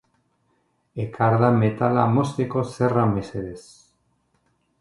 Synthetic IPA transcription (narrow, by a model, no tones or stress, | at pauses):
ekaɾðamet̪alamost̪ekoserameseɾes